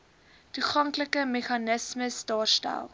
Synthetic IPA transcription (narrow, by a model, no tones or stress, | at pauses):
tuχɐŋkləkəmeχɐnəsməsdɑːrstæ̰lˠ